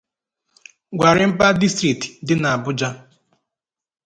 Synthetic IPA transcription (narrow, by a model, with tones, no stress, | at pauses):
ɡʷa˨ɾɪ˨˦m̩˦pa˦di˦stɾi˨ti̥˨dɪ˦na˨a˨bʊ˦d͡ʒa˦